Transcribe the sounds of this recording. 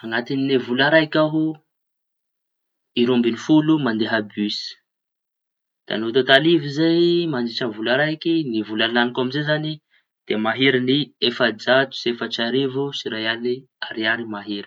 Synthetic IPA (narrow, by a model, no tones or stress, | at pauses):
aŋat̪ininivulaɾajkʲaɦu | iɾumbinifulumand̪eɦabysi̥ | d̪̥a̰nut̪at̪alivizajmand͡ʒit͡ʃəvulaɾajkinivulalanikamizezani | d̪̥emaɦeɾiniefad͡zat̪u̥sefat͡ʃaɾevusiɾajani | aɾiaɾimaɦeɾ